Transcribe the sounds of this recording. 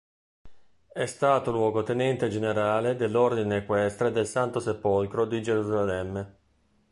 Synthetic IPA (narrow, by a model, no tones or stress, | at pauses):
ɛst̪aːt̪olwɔːɡot̪enɛnt̪ed͡ʒeneɾaːled̪elːord̪inekwɛst̪ɾed̪elsant̪osepolkɾod̪id͡ʒeɾuzalɛmːe